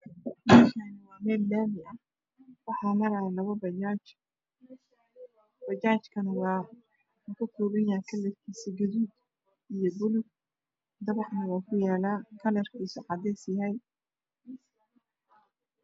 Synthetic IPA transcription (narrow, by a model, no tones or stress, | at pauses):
mɐkʰanɐwaːmɛːllaːmɪʔɐ | wɑħɑːmɐɾalɐβɐbɐat͡ʃ | b̥ɐt͡ʃaːt͡ʃkʰɐnʊwaː | ukʰɐt̪ʰuːɣɐjaːkʰɐlɛrkʰiːsɐɡɐðuːd̪ | ijɔbʊlʊɡ | d̪ɐβɑħnɐwaːkʰʊjaːlaːkʰɐlɛrkʰiːsɔʕɑd̪ɛːsjɐɦɛj